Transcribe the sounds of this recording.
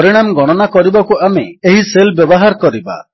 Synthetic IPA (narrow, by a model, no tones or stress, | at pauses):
ɾiɽ̃amɡɔɽ̃ɔnakɔɾibakuameeɦiselbjɔbɔɦaɾkɔɾiba̰